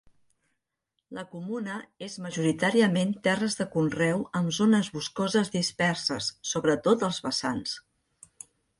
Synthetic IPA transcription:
ləkumunəezməʒuɾit̪aɾiəment̪ɛrəzðəkunrɛwəmzonəzβuskɔzəzðispɛrsəsːoβɾət̪ot̪əlˠzβəsans

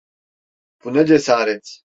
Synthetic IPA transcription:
punɛd͡ʒɛsaːɾɛt͡sʰ

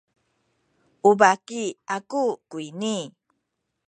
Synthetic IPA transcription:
ʔubakiakukuini

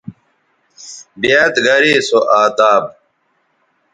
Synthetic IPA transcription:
bijaːt̪ɡɐɾiːsoʔaːt̪aːb̚

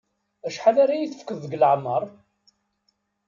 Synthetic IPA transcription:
æʃħalaɾajiθə̥fkːəðːəɡlʕmːəɾˤ

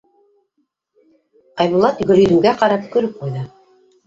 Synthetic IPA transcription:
ɑjβulˠɑt̪ɡɵ̆lɵ̆d̪ɘ̆ŋɡæqɑɾɑp̚kɵ̆ɾɵp̚qujðɤ

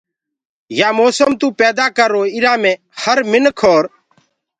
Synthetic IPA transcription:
jaːmoːsəmt̪ũːpɛːd̪aːkəɾoːɪɾãːmẽː | həɾmɪnkʰoːɾ

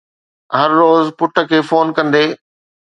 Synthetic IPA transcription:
ɦɐɾːoːzpʊʈʰə̆kʰeːfoːnkɐ̃nd̪eː

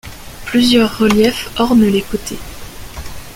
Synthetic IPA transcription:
plyzjœʁːəljɛfɔʁnlekot̪ʰe

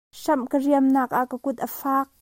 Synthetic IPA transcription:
ʂɐmkəriəmnaːk̚ʔaʔkəkʊt̪̚ʔəfaːk̚

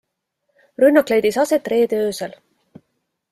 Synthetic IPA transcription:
rynːɑkˑle̞jd̪isɑse̞t̪ːˑre̞ːd̪øːsel

